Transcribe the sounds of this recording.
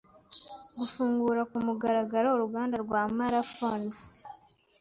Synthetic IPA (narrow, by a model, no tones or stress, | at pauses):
ɡufuːŋɡuɾakumuɡaɾaɡaɾaoɾuɡaːndaɾɡwaːmaɾafonz